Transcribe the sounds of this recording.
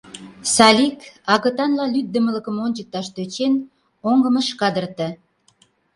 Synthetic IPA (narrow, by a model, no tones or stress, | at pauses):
sɑlʲikɑɣə̆t̪ɑnlɑlyd̪̚ːəmə̆lə̆kə̆monʲt͡ɕək̚t̪ɑʃt̪øt͡ɕen | oŋɡə̆məʃkɑd̪ərt̪ə̆